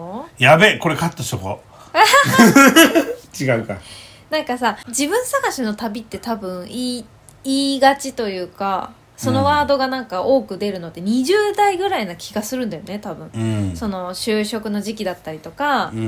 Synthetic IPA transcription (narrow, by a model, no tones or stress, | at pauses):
ojabeko̞ɾekat̪ːosoɦo̰ | t͡ɕiɡaɯ̟ka̰ | nãŋkasad͡ʑibɯ̟̃ɰ̃saɡaɕino̞t̪abʲit̪ːe̞t̪abɯ̟̃ɰ̃iː | iːɡat͡ɕit̪o̞jɯ̟ːka̰ | so̞no̞βaːd̪o̞ɡanãŋkao̞ːkɯ̟d̪e̞ɾɯ̟no̞t̪ːe̞ɲ̟iʑɨːd̪aiɡɯ̟ɾainakʲʰiɡasɨɾɯ̟̃nd̪ajone̞t̪abɯ̟̃ɴso̞no̞ɕɨːɕo̞kɯ̟no̞ʑikʲid̪at̪ːaɾʲit̪o̞ka